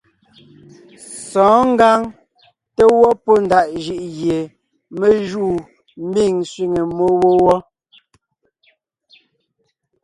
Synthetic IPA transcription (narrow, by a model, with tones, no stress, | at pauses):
sɔ̃ː˨˦ŋ̩˦ɡa˦ŋ | te˦wɔ˦po˦n˨da˨ʔʒi˦ʔɣje˨ | me˦ʒuː˦˨ | m̩˦bi˦˨ŋsɥi˦ŋe˨mo˦wo˦wɔ˦